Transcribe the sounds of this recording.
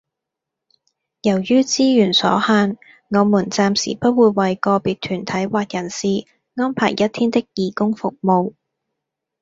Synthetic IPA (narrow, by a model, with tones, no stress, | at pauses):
jɐ˨˩wjyː˥t͡siː˥jyː˨˩nsɔ̰ː˨˥haː˧n | ŋɔː˨˧muː˨˩nt͡saː˧msḭ˨˩pɐ˥t̚wuː˨˧jwɐ˨jkɔː˧piː˨t̚t̪ʰyː˨˩nt̪ʰɐ˨˥jwaː˨t̚jɐ˨˩nsiː˨˧ | ŋɔː˥npʰa̰ː˨˩jːɐ˥t̪ʰiː˥nt̪ɪ˥k̚jiː˨˩kʊ˥ŋfʊ˨k̚mo˧w